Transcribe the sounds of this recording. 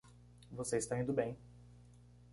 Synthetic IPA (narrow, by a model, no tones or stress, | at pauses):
voseist̪ɐw̃ĩnd̪ʊbẽj̃